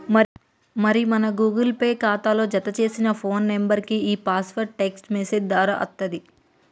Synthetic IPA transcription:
ɐ | mɐɾimɐnɐɡuːɡɐlpeːkaːt̪aːlo̞ːd͡ʒɐt̪ɐt͡ʃe̞ːsinɐpʰoːnːembɐɾkiiːpaːsʋɐɾʈeksʈmeːsed͡ʒd̪aːɾɐʔɐ̰t̪ːɐd̪i

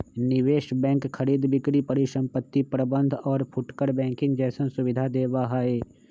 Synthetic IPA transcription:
nɪʋeːʃbɛ̃ːŋkxəɾiːd̪bɪkɾipɐɾiʃə̃mpət̪ːipɾəbə̃nd̪ʱɔːɾpʰʊʈkəɾbɛ̃ːŋkɪ̃ŋɡd͡ʒɛːsə̃nsʊʋɪd̪ʱad̪eːbaɦaːeː

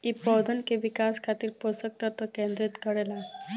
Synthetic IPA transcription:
ipːɔwd̪ənkeʋikaskʰat̪iːɾposək̚t̪əɾt̪ɔkẽnd̪ɾit̪kəɽɛla

